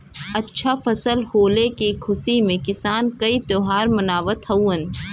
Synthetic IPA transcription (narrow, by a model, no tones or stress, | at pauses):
ɐtːʃʰafɐsəlhoːlekikʰʊsimẽkɪsaːnkɐit̪oːɦaːɾmɐnaːʋət̪hɐwən